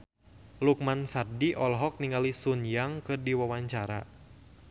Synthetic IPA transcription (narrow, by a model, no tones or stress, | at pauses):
luk̚mansardiʔɔlɦɔk̚niŋɡalisunjaŋkɨrdiwawaɲt͡ʃaɾa̰